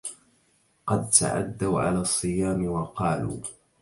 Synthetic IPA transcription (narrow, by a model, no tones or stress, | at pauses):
qɑd̪̚t̪a̰ʕa̰d̪ːawʕa̰laːsˤːɨjaːmɪwɑqɑːlṵː